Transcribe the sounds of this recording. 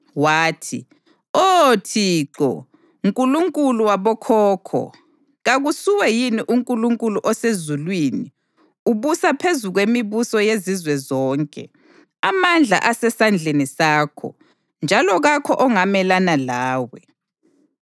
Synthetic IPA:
waːtʰi | otʰiːǁɔ̰ | ŋkʼuluŋkʼuluwaβɔkʰɔːkʰɔ̰ | ɣaɣusuwɛjiniʔuŋkʼuluŋkʼuluʔɔsezulwiːni | uβusapʰezuɣwemiβusɔjezizwɛzɔːŋkʼɛ̰ | amand͡ɮʱa̰ʔasɛsand͡ɮʱenisaːkʰɔ̰ | nd͡ʒʱalɔɣakʰɔʔɔŋamɛlanalaːwɛ

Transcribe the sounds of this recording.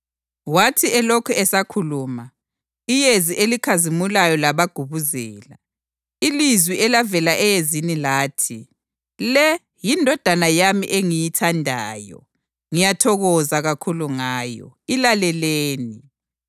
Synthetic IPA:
watʰiɛlɔkʰɛɛsakʰuluːma | ijeziʔelikʰazimulajɔlaβaɡ̥ʱuβuzɛːla | ilizwiɛlavɛlaʔɛjezinilaːtʰi | lɛ | jindʱɔd̥ʱanajamḭʔeŋijitʰandʱa̰ːjɔ̰ | ŋijatʰɔɣɔzaɣakʰuluŋaːjɔ̰ilalɛleːni

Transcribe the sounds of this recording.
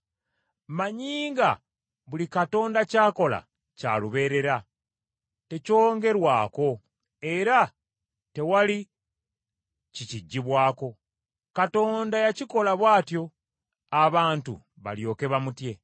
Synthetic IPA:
maɲiːŋɡa | βulikato̞ːndacaːko̞la̰ | ca̰luβe̞ːɾe̞ɾa | te̞co̞ːŋɡe̞ɾwaːko̞ | e̞ɾa | te̞wali | ciciɟːiβwaːko̞ | kato̞ːndajaciko̞laβwaːtjo̞ | aβaːntṵ | βa̰ljo̞ːke̞βamutje̞

